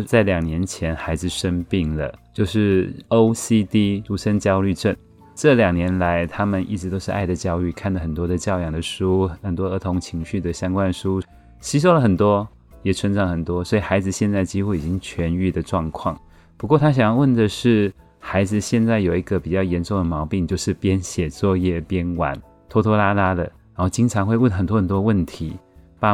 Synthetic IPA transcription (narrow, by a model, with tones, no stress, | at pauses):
t͡sa˥˩ɪljɑ˨˩ŋnjɛ˧˥nt͡ɕʰjɛ˧˥nxa˧˥ɪd͡zɹ̩˨˩ʂə˥npi˥˩ŋlə̰˨t͡ɕjo˥˧ʊʂɻ̩˥˩o˥ʊsi˥t̪i˥ɻu˧˥˩ʂə˥nt͡ɕjɑ˥ʊly˥˧ʈ͡ʂə˥˩n | ʈ͡ʂɤ˥˩ljɑ˨˩ŋnjɛ˧˥nla˧˥ɪt̪ʰa˥mə˨nḭ˥˩ʈ͡ʂɻ̩˧˥t̪o˥ʊʂɻ̩˥˧ʔa̰˥˩ɪd̪ə˩t͡ɕjɑ˥ʊy˥˩kʰa˥˩nd̪ə˩xə˨˩nt̪wɔ˥d̪ə˨t͡ɕjɑ˥˩ʊjɑ˨˩ŋd̪ə˦ʂu˥xə˨˩nt̪wɔ˥ɤ˧˥t̪ʰʊ˧˥ŋt͡ɕʰi˧˥ŋɕy˥˩d̪ə˩ɕjɑ˥ŋkwa˥˧nʂu˥ | ɕi˥ʂ̬o˥ʊlə˩xə˨˩nt̪wɔ˥ | jɛ˨˩t͡sʰə˧˥nʈ͡ʂʰɑ˧˥˩ŋxə˨˩nt̪wɔ˥swɔ˧˥i˨˩xa˧˥ɪd͡zɹ̩˨˧ɕjɛ˥˧nt͡sa˥ɪt͡ɕi˥xu˥˩i˨˩t͡ɕi˥ŋt͡ɕʰɥɛ˧˥ny˥˩d̪ə˩ʈ͡ʂwɑ˥˧ŋkʰwɑ̰˥˩ŋ | pu˧˥kwɔ˥˨˩t̪ʰa˥ɕ̬ŋjɑ˥ŋwə˥˩ndə˩ʂɻ̩˥˩ | xa˧˥ɪd͡zɹ̩˨ɕjɛ˥˧nt͡sa˥˩ɪjo˨˩ʊi˧˥ɡə˨˩pi˨˩t͡ɕjɑ˥˩ʊjɛ˧˥nʈ͡ʂʊ˥˩ŋd̪ə˩mɑ˧˥ʊpi˥˧ŋt͡ɕjo˥˧ʊʂɻ̩˥˩pjɛ˦˥nɕjɛ˨˩t͡swɔ˥˧jɛ˥˩pjɛ˦˥nwa̰˨˩˦n | t̪ʰo˥t̪ʰɔ˥la˥la˥lə̰˨ɻa˧˦˥o˥˩ʊt͡ɕi˥ŋʈ͡ʂʰɑ˧˥ŋxwe˥˧ɪwə˥˩nxə˨˩nt̪wɔ˥xə˨˩nt̪wɔ˥wə˥˩nt̪ʰi˧˥˦pa˥˧